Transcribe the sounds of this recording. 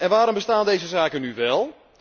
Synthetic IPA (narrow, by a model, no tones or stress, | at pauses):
ɛnʋaːɾɔmbəstaːndejzəzaːkənyʋɛlˠ